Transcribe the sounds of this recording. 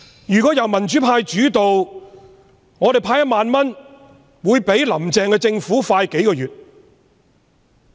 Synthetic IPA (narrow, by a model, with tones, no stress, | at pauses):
jyː˨˩kʷɔː˨˥jɐ˨˩wmɐ˨˩nt͡ʃy˨˥pʰaː˧jt͡ʃyː˨˥t̪o˨w | ŋɔː˨˧t̪e˨jpʰaː˧jɐ˥t̚maː˨nmɐ˥n | wuː˨˧jpe˨˥jlɐ˨˩mt͡sɛː˨ŋkɛː˧t͡sɪ˧ŋfuː˨˥faː˧jke˨˥jkɔː˧jyː˨t̚